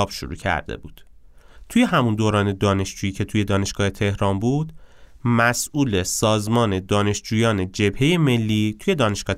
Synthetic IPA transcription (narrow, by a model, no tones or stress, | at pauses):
ɒːb̥ʃo̰ɾṵːcʰæ̰ɾd̪ḛbṵːd̪̥ | t̪ʰuje̞ɦæmund̪oːɾɒːne̞d̪ɒːne̞ʃd͡ʒuːjiːcʰe̞t̪ʰuje̞d̪ɒːne̞ʃɡ̥ɒːhe̞t̪ʰe̞hɾɒːmbuːd̪̥mæsʔuːle̞sɒːzmɒːne̞d̪ɒːne̞ʃd͡ʒuːjɒːne̞d͡ʒe̞bhe̞je̞me̞lːiːt̪ʰuje̞d̪ɒːne̞ʃɡ̥ɒːe